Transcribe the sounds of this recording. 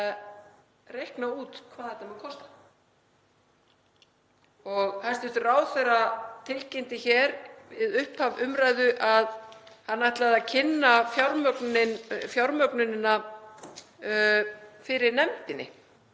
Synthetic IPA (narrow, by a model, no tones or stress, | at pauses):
rejhknauːt̪kʰvaːðɛt̪ːamɛðkʰɔst̪ḁ | ɔɣhajst̪ɪst̪ʏraːwθerat̪ʰɪlcejnt̪ɪçɛːɾvɪðʏhphavʏmɾaːjðʏʔaðhanːajht̪laðacʰɪnːafjawɾmœknɪnfjawɾmœknɪnɪna | fɪɾɪɾnɛmt̪ɪnːɪ̰